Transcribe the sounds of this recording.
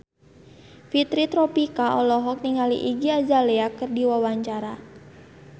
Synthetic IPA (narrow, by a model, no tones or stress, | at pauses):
fit̪ɾit̪ɾɔpikaɔlɔɦɔk̚niŋalḭʔiɡiad͡ʒaleakərdiwawaɲt͡ʃaɾa